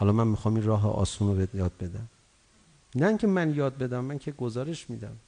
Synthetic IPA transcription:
hɒlɒːmænmixɒːminɾɒːɦḛʔɒ̰ːsuːnobejɒːd̪̚be̞d̪æm | næiŋcʲʰemænjɒːd̪̚be̞d̪æmːæncʰeɡozɒːɾeʃmiːd̪æm

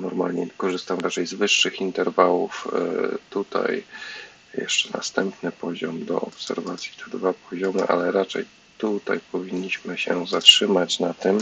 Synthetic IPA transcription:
nɔɾma̰lɲɛkɔʐɘst̪amɾat͡ʂɛjzvɘʂːɘxint̪ɛɾvawuft̪ut̪a̰j | jɛ̰ʂt͡ʂɛna̰st̪ɛmpnɘpɔʑɔmd̪ɔ̰ɔpsɛ̰ɾvat̪sʲjit̪ʰɛd̪vapɔʑɔmɘʔa̰lɛɾat͡ʂɛ̰j | t̪ut̪ajpɔvʲiɲːiɕmɘɕɛzatʂɘmat͡ɕnat̪ɘm

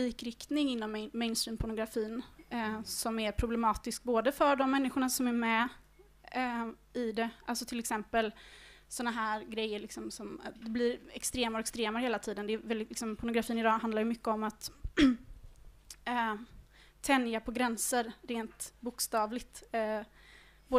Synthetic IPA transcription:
iːkɾɪkt̪nɪŋɪnːɔmːɛɪnst̪ɾiːmpʰʊɳʊɡɾafiːn | sɔmæɾpʰɾʊblɛmɑːt̪ɪsk̚boːd̪əfœɖɔmːɛnːɪɧʊɳasɔmæɾmɛ | ɪd̪ɛʔaltsɔt̪ʰɪlɛksɛmpəlsɔnːaɦæːɾɡɾɛjːəɭɪksɔmsɔmd̪ɛblɪɾɛkst̪ɾeːmaɾɛkst̪ɾeːmaɾheːlat̪ʰiːd̪ənd̪ɛvɛlːlɪksɔmpʰʊɳʊɡɾafiːnɪd̪ɑːɦand̪laɾjɵmʏkːəɔmat̪ | ɛnːjapʰɔɡɾɛnsəɾɾeːnt̪bʊkst̪ɑːvlɪt̪ | boː

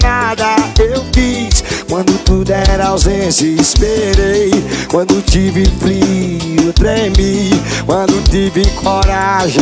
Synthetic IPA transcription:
nad̪ɐewfiskwɐ̃nd̪ʊt̪ud̪ɛɾawzezɪspeɾejkwɐ̃nd̪et̪ivɪpɾiut̪ɾemi | kwɐ̃d̪ʊt̪ivɪkʰoɾaʒ̃

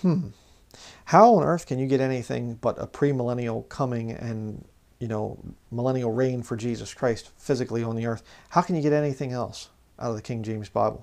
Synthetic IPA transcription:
m̥m̩ | haʊə̃nɜ˞θkʰɨ̃njɨɡɛɾɛñiθɪ̰̃ŋb̥ʌɾə̰pʰɹ̥iməlɛñil̩ˠkʰʌmɪ̃ŋɨ̰̃n | jɨnoʊməlɛnil̩ˠɹẽɪ̃nfə˞d͡ʒizɨskʰɹ̥aɪstfɪzɨkliə̃nðiɜ˞θhaʊkʰnjɨɡɛɾɛniθɪ̃ŋɛ̰lˠs | ʔaʊɾʌvðɨkʰɪ̃ŋd͡ʒẽɪ̃mzb̥a̰ɪbl̩ˠ

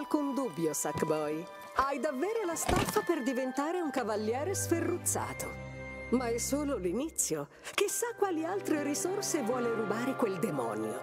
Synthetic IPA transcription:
alkund̪ubːjosakbɔj | ajd̪avːeːɾolast̪afːaperd̪ivent̪aːɾeuŋkavalːjɛːɾesferːut̪sːa̰ːt̪o | maɛsːoːlolinit̪sːjo | k̟ɪsːakːwaːlialt̪ɾeɾisorsevwɔːleɾubaːɾekweld̪emɔ̰ːnjo̰

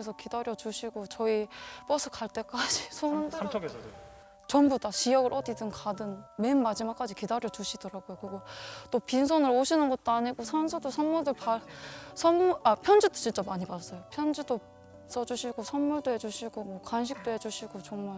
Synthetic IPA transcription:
esʰʌkidaɾjʌt͡ɕuɕʰiɡot͡ɕʌip͈ʌsʰɯkaɭt͈e̞k͈ad͡ʑi̥sʰonɯnʰ | t͡ɕʌmbudat͡ɕijʌɡɯɾʔʌdidɯnkadɯnme̞nmad͡ʑimak͈ad͡ʑikidaɾjʌt͡ɕuɕʰid̥ʌɾaɡojokɯiɡot͈opins̬ʰonɯɾoɕʰinɯnɡʌt̚t͈oaɲiɡosʰansʰɯdosʰʌnmuɭdɯɭpasʰʌnmuapʰjʌnd͡ʑid͈o̥t͡ɕint͡ɕ͈amaɲipas͈ʌjopʰjʌnd͡ʑido | s͈ʌd͡ʑuɕʰiɡosʰʌnmuɭdoɦe̞d͡ʑuɕʰiɡ̥omwʌkanɕ̬ʰik̚t͈oɦe̞d͡ʑuɕʰiɡ̥ot͡ɕʌŋmaɭ

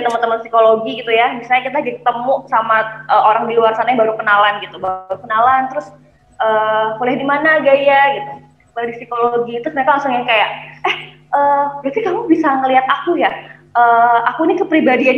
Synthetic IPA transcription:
t̪əmənt̪əmənsikoloɡiɡit̪ujamisalɲakit̪ad͡ʒaik̚t̪əmusamaʔəːoɾaŋdiluarsanaɲabaɾukənalanɡit̪ubaɾukənalant̪əɾʊs | ʔəːbolɛhdimanaɡajaɡit̪u | badisikoloɡit̪ɾʊsməɾekalaŋsʊŋjaŋkajaʔɛh | ʔəːbəɾat̪ikamubisaŋəliat̪̚akujaʔəːakuinikəpɾibadian

